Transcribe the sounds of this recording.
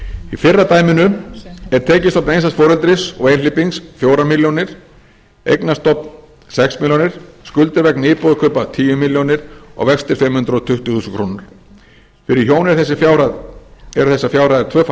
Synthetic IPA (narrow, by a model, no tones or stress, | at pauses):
ifɪrːat̪aːjmɪnʏɛɾ̥t̪ʰɛːcɪst̪ɔpnejnsast̪fɔːɾʏlt̪ɾɪsɔ̰ɣejnlɪpiŋsfjoːwɾamiljownɪɾ̥ | ḛjknast̪ɔpn | sɛksmiljownɪɾ̥skʏlt̪ɪɾvɛkniːpɔːðakʰœːpat̪ʰiːjʏmiljownɪɾ̥ɔ̰ɣvɛkst̪ɪɾ̥fɪmːhʏnt̪ɾɔt̪ʰʏht̪ʏθuːsʏŋkʰɾuːnaɾ̥ | fɪɾɪɾçjoːwnɪɾθɛsːɪfjawɾaðɛɾ̥θɛsːafjawɾajðɪɾt̪ʰvœːf